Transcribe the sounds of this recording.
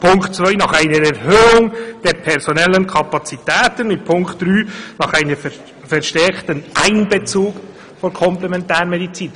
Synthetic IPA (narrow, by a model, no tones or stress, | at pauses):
pʰʊŋktt͡sʋœʏnɑχaɪnəɾɛɾhøːʊŋd̥ɛɾpʰɛɾsɔnɛlːənkʰɑpɑt͡sitɛːtənmɪt̚pʰʊŋktd̥ɾyːnɑχæɪnəf | fɛɾʃtɛɾktənʔæɪnbet͡suːk | fɔɾkʰɔmplɛmɛntæːɾmɛdit͡siːn